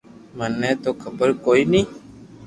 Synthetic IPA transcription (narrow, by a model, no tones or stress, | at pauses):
mənːɛ̃t̪okʰəbəɾkoːini